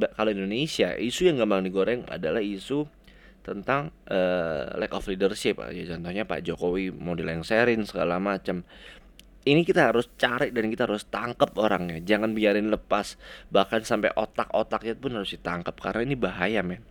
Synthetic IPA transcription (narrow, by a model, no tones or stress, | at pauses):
bakaloindonesia̰ʔisujaŋɡamaŋdiɡoɾɛŋa̰dalahisu | t̪ənt̪aŋʔəːlɛkɔflidərʃɪp̚a̰at͡ʃɔnt̪ɔhɲapa̰d͡ʒokowimaowdilajaŋseɾɪnsəɡalamat͡ʃam | inikit̪aɦaɾʊst͡ʃaɾɪʔ̚dankit̪aɦaɾʊst̪aŋkəp̚oɾaŋɲad͡ʒaŋanbiaɾɪnləpasbahkansampa̰jʔot̪akot̪ak̚jat̪upʊnhaɾʊsdit̪aŋkəp̚ka̰ɾənainibaɦajama